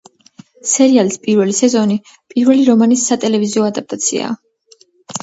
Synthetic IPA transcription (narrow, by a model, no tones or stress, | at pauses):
sɛɾialispʼiɾvɛlisɛzɔni | pʼiɾvɛliɾɔmanisːat̪ʼɛlɛviziɔad̪ap̚t̪ʼat̪sʰḭa̰ː